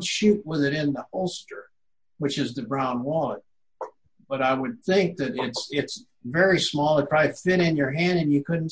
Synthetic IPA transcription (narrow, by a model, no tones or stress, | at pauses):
ʃʉʔ̚wɪðɨɾɪ̃nðəhoʊlˠstə˞ | wɨt͡ʃɨzðɨbɹãʊ̃nwɔlˠət̚ | b̥ʌɾaɪwɨd̪̚θɪ̃ŋk̚ðɨɾɪtsɪts | vɛɹismɔlˠə̃tʰɹ̥aɪɾɨfɪɾɪ̃njə˞ɦæ̃ndɨ̃njɨkʰʊdⁿn̩